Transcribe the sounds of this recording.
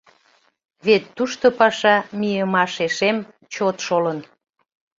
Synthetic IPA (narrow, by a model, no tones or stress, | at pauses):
βet̪ːuʃt̪opɑʃɑmijəmɑʃeʃem | t͡ɕot̪ʃolən